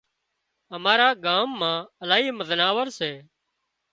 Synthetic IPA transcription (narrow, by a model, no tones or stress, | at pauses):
ɦəmaːɾaːɡaːmːãːəlaːiːməznaːʋəɾseː